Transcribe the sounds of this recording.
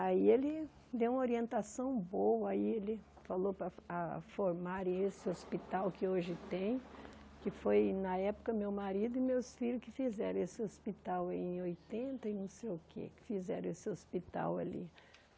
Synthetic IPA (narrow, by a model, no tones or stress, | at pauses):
aielɪ | d̪ewũmoɾiẽnt̪asɐ̃w̃bowɐaielɪ | falopɾɐafoɾmaɾẽj̃esɪospit̪awkɪoʒɪt̪ẽj̃ | kɪfojnɐɛpʊ̥kɐmewmaɾid̪ʊɪmewsfiʎʊskɪfizɛɾɐ̃esɪospit̪awaiẽj̃ojt̪ẽnt̪ɐɪnɐ̃w̃sejʊkʰḛkɪ̥fizɛ̰ɾɐ̃esɪospit̪a̰wa̰lḭ